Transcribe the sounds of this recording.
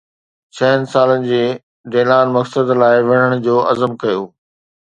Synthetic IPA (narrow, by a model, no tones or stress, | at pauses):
t͡ɕʰɐɦənɪ̆saːlənɪ̆d͡ʑeː | ɖeːlaːnmɐksəd̪laːɪʋɐɽ̤əɽ̃ʊd͡ʑoːʔɐzəmkɐjoː